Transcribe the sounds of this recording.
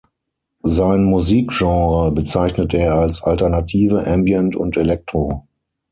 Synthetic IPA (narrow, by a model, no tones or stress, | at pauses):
zaɪnmuziːkʒ̥ɑ̃ːʁəbət͡saɪçnəteːɐalsʔaltɛɐnatʰiːvəʔɛmbjɛntʊ̰ntelɛk̚tʁ̥o